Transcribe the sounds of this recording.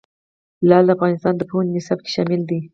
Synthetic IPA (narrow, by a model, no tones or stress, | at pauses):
lɑd̪əafɣɑnɪst̪ɑnd̪əponnɪsɑb̚ke̥ʃɑmɪld̪i